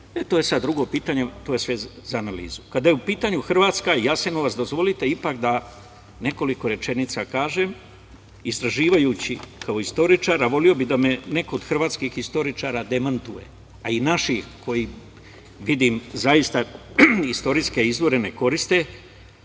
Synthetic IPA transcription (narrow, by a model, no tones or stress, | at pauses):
et̪oje̞sad̪̚d̪ːɾuɡo̞piːt̪aɲe̞t̪oːje̞sʋezaːnalḭːzu̥kad̪ajeupiːt̪aɲuxr̩ʋaːt̪skaijasenoʋasd̪o̞zʋo̞lit̪e̞ipakd̪a | ne̞ko̞liko̞ɾe̞t͡ʃe̞nit̪sakaːʒe̞m | ist̪ɾaʒiːʋajuːt͡ɕikʰao̞ist̪o̞ɾit͡ʃaːɾaʋo̞lio̞bid̪ame̞ne̞koːd̪xr̩ʋaːt̪skixist̪o̞ɾit͡ʃaːɾad̪e̞mant̪uje̞̰ | ainaʃixko̞ji | ʋid̪imzajist̪a | ist̪o̞ɾiske̞izʋo̞ɾe̞ne̞ko̞ɾist̪e